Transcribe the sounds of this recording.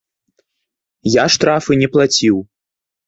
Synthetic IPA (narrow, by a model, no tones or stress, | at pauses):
jaʂt̪ɾafɨnʲɛplˠat͡sʲiw